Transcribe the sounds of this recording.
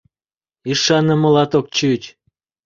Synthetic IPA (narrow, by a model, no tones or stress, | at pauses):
iʃɑnːə̆mŏlɑt̪ok̚t͡ɕyt͡ɕ